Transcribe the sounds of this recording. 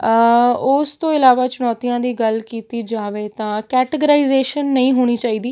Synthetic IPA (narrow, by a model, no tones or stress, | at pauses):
ʊst̪õːɪlaːʋaːt͡ʃʊnɔːt̪ijãːd̪iːɡəlkiːt̪iːd͡ʒaːʋeːt̪ãːkɛːʈəɡəɾaːɪzeːʃənːəĩːɦoːɽ̃iːt͡ʃaːiːd̪iː